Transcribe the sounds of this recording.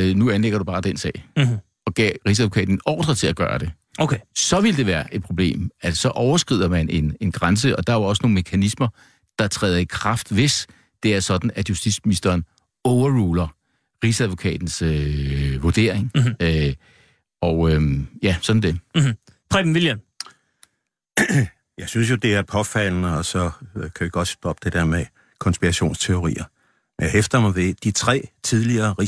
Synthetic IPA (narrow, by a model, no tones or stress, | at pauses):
nuænleɡ̥ɐɾ̥ub̥ɑ̈ːd̥ensɛ̰ɪ | ɒ̽ɡ̥ɛ̰ʁisæðˠokʰɛ̰ːd̥n̩ɒ̰ːd̥ʁɐt͡sʰe̝læɡ̥ɶ̰ːɐd̥e̝ | okʰsɒ̽ʋe̝ləd̥e̝ʋæːɐʔe̝d̥̚pʰʁo̝b̥le̝̰ːmæsɒ̽ʔɒʊɐsɡ̥ʁið̰ˠɐmæne̝ne̝nɡ̥ʁɑns̬əɒ̽d̥ɑ̈æɐɒ̽səno̝ːn̩me̝kʰænismɐ | d̥ɑ̈t͡sʰʁɛ̰ːð̞ˠɐikʰʁɑ̈fd̥ʋe̝s | d̥e̝æɐsɒ̽d̥n̩æd̥jusd̥i̥sminisd̥ɐːn | ɔʊɐʁuːlɐ | ʁisæðʋo̝kʰɛ̰ːd̥n̩søʋo̝ɐd̥e̝̰ɐ̰eŋ | ɒʊøjæsɒ̽d̥n̩d̥e̝ | pʰʁɛ̥mʋiljæ | jɑ̈ɪsyns̬jo̝d̥e̝æɐpʰɒ̽fæl̰nəɒ̽sɒ̽kʰæʋiɡ̥ɒ̽d̥sd̥ɒ̽b̥̚d̥e̝d̥e̝ɐme | kʰɒ̽nsb̥iʁaɕo̝̰ːnst͡sʰe̝o̝ʁḭːɐ | mnhefd̥ɐmɑ̈ʋe̝d̥it͡sʰʁɛ̰ːt͡sʰiðˠliɐːʁi